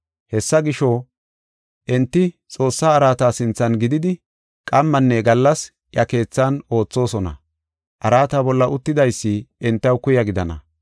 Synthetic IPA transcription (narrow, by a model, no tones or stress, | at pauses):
hɛsːɐɡɪʃoː | ʔɛnt̪ːɪt͡sʼo̞ːsːaːɾaːt̪aːsɪnt͡sːɐnɡɪd̪ɪd̪ɪ | kʼɐmːɐnːɛɡɐlːɐs | jɐke̞ːt͡sːano̞ːt͡sːo̞ːsɔnɐ̰ | ʔɐɾaːt̪aːbɔlːɐʔʊt̪ːɪd̪ɐjsːɪɛnt̪ːɐwkʊjɐɡɪd̪ɐnɐ̰